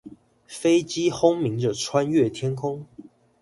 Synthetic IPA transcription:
fe˥ɪt͡ɕi˥xʊ˥ŋmi˨˥ŋʈ͡ʂə˨˧ʈ͡ʂʰwa˦˥nɥɛ˥˨t̪ʰjɛ˥nkʰʊ˥ŋ

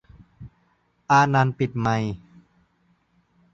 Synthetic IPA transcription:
ʔaː˧na˧npi˨˩t̪̚ma˧j

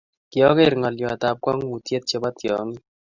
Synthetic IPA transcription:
kjɔ˦ke˦˨ɾŋɔ˨ljo˨a˨ta˨p̚kwa˦ŋ˦wu˨tje˦t̪̚t͡ʃe˦ba˦tjɔ̰˨˦ŋɪ˦

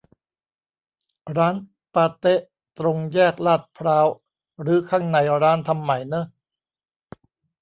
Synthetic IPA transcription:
ɾaː˦˥n | paː˧t̪e˦˥ʔ | t̪ɾo˧ŋjɛː˥˩k̚laː˥˩t̪̚pʰɾaː˦˥w | ɾɯː˩˦kʰaː˥˩ŋna˧jɾaː˦˥nt̪ʰa˧mːa˩˦jnɤ˦˥˩

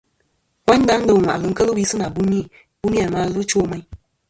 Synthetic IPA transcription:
wa˦ɲ˦da˦n˦dɨ˨wʷa̰˨ʔlɨ˨ŋ̩˦kə˦lɨ˦wi˦sɨ˦na˨bu˦mi˦˨ | b̥u˦mi˦a˨ma˦lɨ˦t͡ʃoː˦ma˦i˦

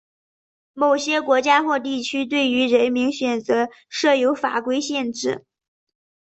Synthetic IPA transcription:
mo˨˩ʊɕjɛ˥kwɔ˧˥t͡ɕja˥xwɔ˥˧t̪̬i˥˩t͡ɕʰy˥t̪̬we˥˩ɪy˧˥ɻə˧˥nmi˧˥ŋɕɥɛ˨˩nt͡sɤ˧˥ | ʂɤ˥˩jo˧˥ʊfa̰˨˩kwe˥ɪɕjɛ˥˧nʈ͡ʂɻ̩˥˩

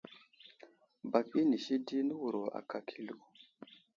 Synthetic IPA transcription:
ba˨k̚i˦ni˨ʃi˦di˦nə˦wu˨ɾo˨ʔa̰˨kʰa˨kʰi˦lu˨

